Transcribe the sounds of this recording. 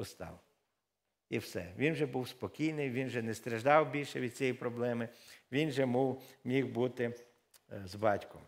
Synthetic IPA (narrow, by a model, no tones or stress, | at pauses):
ʊst̪ɑ̰w | iwsɛ̰ʋʲinʒɛbuwspɔkʲijnɪjʋʲinʒɛnɛst̪ɾeʒd̪ɑwbʲilʲʃɛʋʲid̪̚t͡sʲijipɾɔblˠɛmɪʋʲinʒɛmuwmʲiwbut̪ɪ | zbɑtʲkʊ̰